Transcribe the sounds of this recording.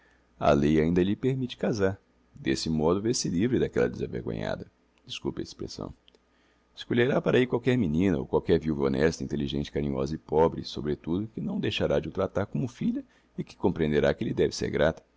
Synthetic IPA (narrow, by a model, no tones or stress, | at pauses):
ɐ̰lejaĩnd̪ɐʎɪpeɾmit͡ʃɪ̥kazaɾ | d̪esɪmɔd̪ʊveɾsɪlivɾɪd̪akɛlɐ̰d̪ɪza̰vḛɾɡõ̰ɲa̰d̪ɐ | d͡ʒ̪iskṵpɐespɾḛsɐ̰̃w̃ | ɪskoʎeɾapaɾaikwawkɛɾminĩnɐo̰wkwawkɛɾviuwvɐonɛst̪ɐĩnt̪eliʒẽnt͡ʃɪ̥kaɾĩɲɔ̰zɐɪpɔbɾɪsobɾet̪ud̪ʊkɪnɐ̃w̃d̪ejʃaɾad͡ʒɪut̪ɾat̪aɾkõmʊfiʎɐ | ɪkɪ̥kõmpɾẽnd̪eɾakɪelɪd̪ɛvɪsḛɾɡɾat̪ɐ̥